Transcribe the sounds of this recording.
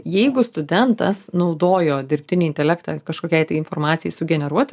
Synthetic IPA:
jɛɪɡʊst̪ʊd̪ʲɛnt̪ɐ̰snɐʊd̪oːjoːd̪ʲɪɾʲpʲt̪ʲɪnʲiɪnʲt̪ʲɛlʲækt̪ɑkɐʃkoːkʲɛɪt̪ɐɪɪnfoːɾmɑːt̪sʲɪjɛɪsʊɡʲɛnʲɛɾuɔt̪

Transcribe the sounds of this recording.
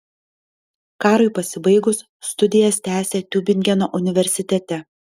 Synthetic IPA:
kɑːɾʊɪpɐsʲɪbɐɪɡʊsːt̪ʊd̪ʲɪjɛst̪ʲæːsʲeːt̪ʲubʲɪŋʲɡʲɛnoːʔʊnʲɪʋʲɛɾʲsʲɪt̪ʲɛt̪ʲɛ

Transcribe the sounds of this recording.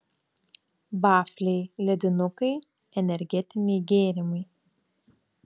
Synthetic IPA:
bɑːfʲlʲeɪlʲɛd̪ʲɪnʊkɐɪ | ɛnʲɛɾʲɡʲɛt̪ʲɪnʲejɡʲeːɾʲɪmɐɪ

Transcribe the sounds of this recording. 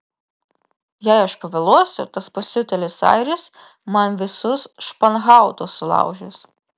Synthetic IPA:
jɛɪɐʃpɐʋʲɐlˠuɔsʲʊt̪ɐspɐsʲʊt̪ʲɛlʲɪsɑ̰ɪɾʲɪs | mɐnʋʲɪsʊsʃpɐnɣɑˑʊt̪osːʊlˠɑ̰ˑʊʒʲeːs

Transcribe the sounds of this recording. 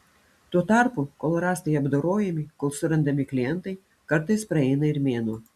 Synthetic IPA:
t̪uɔt̪ɑˑɾpukoːlˠɾɑːst̪ɐjɐbd̪oːɾoːjɛmʲɪkoːlˠsʊɾɐnd̪ɐmʲɪklʲɪjɛnt̪ɐɪ | kɐɾt̪ɐɪspɾɐɛɪnɐɪɾmʲeːnuː

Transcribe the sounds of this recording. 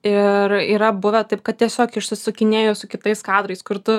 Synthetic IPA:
ɪɾiːɾɐbʊʋʲɛt̪ɐɪp̚kɐt̪̚t̪ʲiɛsʲoːkɪʃsʲɪsʊkʲɪnʲeːjoːsʊkʲɪt̪ɐɪskɑːd̪ɾɐɪskʊɾt̪ʊ

